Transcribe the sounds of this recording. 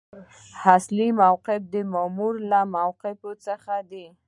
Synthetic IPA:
haslimawqɪfd̪əmamuɾlamawqɪfot͡səxad̪i

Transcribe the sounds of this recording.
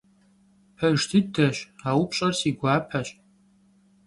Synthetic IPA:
pʰɐʒtʰɨdɐɕawupʰɕʼɐrsiɡʷaːpʰɐɕʼ

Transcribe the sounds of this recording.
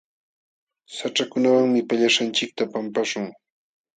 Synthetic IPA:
saʈ͡ʂakʊnawaŋmɪpaʎaʃant͡ʃɪk̚t̪apampaʃʊŋ

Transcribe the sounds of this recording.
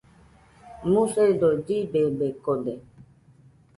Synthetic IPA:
mũseid̪od͡ʒibebekod̪e

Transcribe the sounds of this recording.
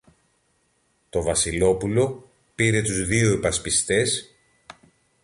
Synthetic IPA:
t̪o̞vɐsilo̞pulo̞ | piɾe̞t̪uzðioepɐspist̪e̞s

